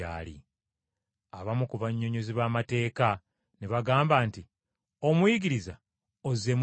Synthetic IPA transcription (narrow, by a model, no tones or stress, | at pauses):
a̰ːlḭ | aβamukuvaɲːo̞ɲo̞ziβaːmate̞ːka | neβaɡaːmbaːnti | o̞mwiɡiɾiza | oze̞m